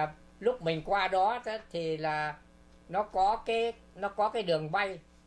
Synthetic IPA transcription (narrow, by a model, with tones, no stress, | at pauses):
lʊ˦˥k͡p̚mï˨˩ŋ̟kwaː˧ɗɔ˨˦tːt̪ʰi˨˩laː˨˩ | nɔ˨˦kɔ˨˦kaː˨˦j | nɔ˨˦kɔ˨˦kaː˨˦jɗɨ˨˩əŋɓa˧j